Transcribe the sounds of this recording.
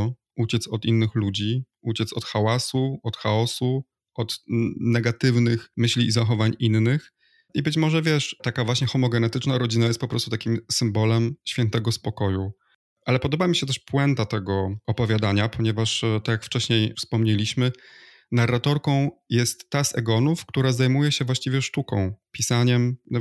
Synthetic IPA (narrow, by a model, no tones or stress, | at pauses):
ʔut͡ɕɛt̪sɔt̪inːɘxlud͡ʑi | ut͡ɕɛt̪sɔt̪xawasuɔt̪xaɔsu | ɔt̪nɛɡat̪ɘvnɘxmɘɕlʲiːzaxɔvaɲʔinːɘx | ʔibɘt͡ɕmɔʐɛvʲjɛʂt̪akavwaɕɲɛxɔmɔɡɛnɛt̪ɘt͡ʂnaɾɔd͡ʑinajɛst̪̚pɔpɾɔst̪ut̪akʲimsɘmbɔlɛmɕfʲjɛnt̪ɛɡɔspɔkɔju | ʔalɛpɔd̪ɔbamʲiɕɛt̪̬ɛʂpwɛnt̪at̪ɛɡɔɔpɔvʲjad̪aɲapʰɔɲɛvaʂt̪akʲjakft͡ʂɛɕɲejfspɔmɲɛlʲiɕmɘ | narːat̪ɔɾkɔ̃w̃jɛst̪ːasɛɡɔnufkt̪uɾazajmujɛɕɛvwaɕt͡ɕivʲjɛʂt̪ukɔ̰̃w̃pʲisaɲɛmnɔ